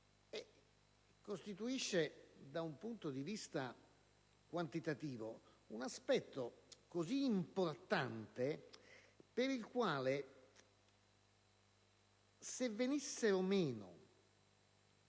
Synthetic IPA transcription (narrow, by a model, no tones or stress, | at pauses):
ɛ | kːost̪it̪uiʃːed̪aumpunt̪od̪ivist̪a | kwant̪it̪at̪iːvo | unaspɛt̪ːokoziːmport̪ant̪e | peɾilkwaːle | sevːenisːeɾomeːno̰